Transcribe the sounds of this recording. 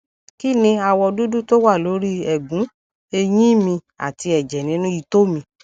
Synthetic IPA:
ki˦˨nĩ˧a˧wɔ˧du˦du˦to˦wa˦˨lo˨˦ɾi˦ɛ˨ɡũ˨˦ | e˧j̃ĩ˦mĩ˧ | a̰˨ti˧ɛ˨d͡ʒɛ˨nĩ˨˦nũ˦i˧to˦mĩ˧

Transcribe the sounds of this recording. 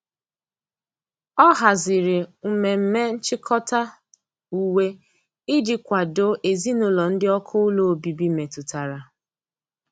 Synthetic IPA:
ɔ˦ɦa˨zɪ˨ɾɪ˨m̩˨me˨m̩˦me˦n̩˦t͡ʃɪ˦kʰɔ˦ta˦ | u˨we˦ | i˦dɪ˦kʷa˨do˦ʔe˨zi˦nʊ˨lɔ˨n̩˦dɪ˦ɔ˦kʰʊ˦lo˦o˨bi˨bi˦me˨tu˨ta˨ɾa˨

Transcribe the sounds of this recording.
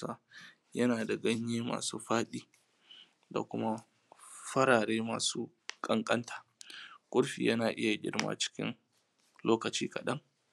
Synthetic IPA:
aː˦ | jɐ˦naː˨da˨ɡɐ˦ɲjeː˦ma̰ː˨suː˦ɸaː˦ɗiː˦ | da̰˨kʷʊ˦ma˦ | ɸɐ˦ɾaː˨ɽeː˦ma̰ː˨suː˦ | kʼɐ˦ŋkʼɐ˦ntʰaː˨kʷʼʊ˦ɽɸḭː˨jɐ˦naː˨ʔɪ˦ja˨ɡʲɪ̰˦ɽma̰ː˦t͡ʃɪ̥˦kʲɪ̰˦n | loː˦kɐ˨t͡ʃiː˦kɐ˨ɗɐ˦ŋ

